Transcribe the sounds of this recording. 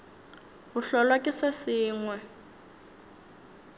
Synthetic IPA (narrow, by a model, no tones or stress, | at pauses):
ɦuɬɔlwakʼɪsasiːŋwɛ